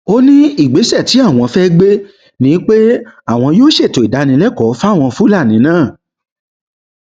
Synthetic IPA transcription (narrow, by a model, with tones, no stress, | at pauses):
o˦nĩ˦i˦˨ɡ͡be˨˦sɛ˦˨ti˨˦a˦˨w̃ɔ̃˧fɛ˦ɡ͡be˦ | nĩ˨˦k͡pe˦a˦˨w̃ɔ̃˧joː˦ʃe˦˨to˨i˨da˨˦nĩ˧lɛ˦kɔ˨˦fa˦˨w̃ɔ̃˧fu˦la˦˨nĩ˨˦nãː˦˨